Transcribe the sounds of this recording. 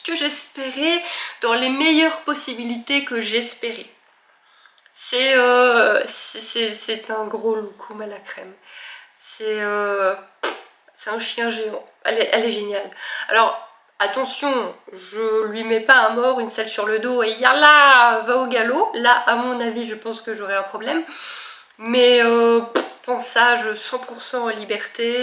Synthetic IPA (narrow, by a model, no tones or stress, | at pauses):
ə̥kəʒɛspeʁed̪̥ɑ̃lemejœʁpɔsibilit̪ekəʒɛspeʁe | sɛøsɛsɛsɛt̪ɛ̃ɡʁolukʰumalakχɛm | sɛø | sɛt̪ɛ̃ʃjɛ̃ʒeɑ̃ɛlɛʔɛlɛʒenjala̰lɔʁ | at̪ɑ̃sjɔ̃ʒəlɥimɛpaɛ̃mɔʁynsalsyʁləd̪oeijɛʁlavaoɡalolaʔamɔ̃naviʒəpɑ̃skəʒɔʁɛɛ̃pχɔblɛm | mɛøppɑ̃saʒəsɑ̃puʁsɑ̃ːlibɛʁt̪e